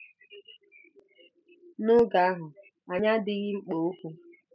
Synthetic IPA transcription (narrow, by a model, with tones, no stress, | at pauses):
nʊ˦ɡa˨a˦ɦʊ˨ | a˨ɲa˦dɪ˦ɣɪ˦k͡po˨o˦kʷu˦